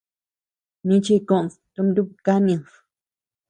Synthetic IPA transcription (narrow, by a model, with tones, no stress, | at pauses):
nĩ˦t͡ʃi˦˧kõ˦ʔst̪u˧nd̪u˦˧ka˦nĩ˧˨s